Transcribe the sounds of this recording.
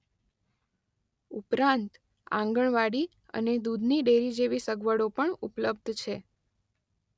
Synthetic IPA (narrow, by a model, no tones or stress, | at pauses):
upɾãnt̪ | ã̰ŋɡəɳʋaɽi | ə̰ned̪ud̪ʱniɖeɾid͡ʒeʋisəɡʋəɽopəɳupləb̚d̪ʱt͡ʃʰe